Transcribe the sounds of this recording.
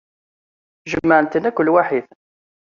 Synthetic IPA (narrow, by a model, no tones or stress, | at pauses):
ʒəmːəʕənt̪ənækʷːəlːwaħiθ